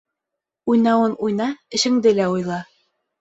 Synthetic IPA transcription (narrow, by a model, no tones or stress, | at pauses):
ujnɑwɤnujnɑɘ̆ʃɘ̆ŋd̪ɘlæujlˠɑ